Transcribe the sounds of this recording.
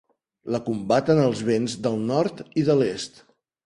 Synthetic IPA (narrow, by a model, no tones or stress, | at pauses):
ləkumbat̪ənəlˠzβ̞enzd̪əlˠnɔɾt̪iðəlest̪